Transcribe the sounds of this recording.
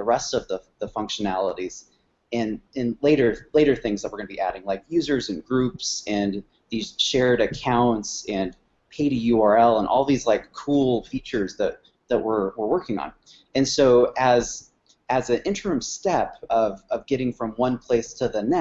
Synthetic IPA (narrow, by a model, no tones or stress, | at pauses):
əɹɛstʌvðəðəfʌ̃ŋkʃɨnælˠəɾiz̥ | ɨ̃nɨ̃nleɪɾə˞leɪɾə˞θɪ̃ŋzðəʔ̚wəɹɡʌnəbiʔæ̰ɾɪ̃ŋlaɪkjʉzə˞zɨ̃nɡɹʉpsɨ̃n | ðiz̥ʃɛɹɾɨkʰãʊ̃ntsɨ̃n | pʰeɪɾijʉɑɹɛlˠə̃nʔɔ̰lˠðizlaɪkʰːulˠfit͡ʃə˞zðɨt̪̚ | ðɨʔ̚wɪ˞wə˞wɜ˞kɪ̃ŋə̰̃n | ɨ̃nsoʊɨz | ɨzɨ̃nɪ̃ntə˞ɨ̃mstɛpʌvʌvɡɛɾɪ̃ŋfɹʌ̃mwʌ̃npʰl̥eɪstʰɨðɨnɛ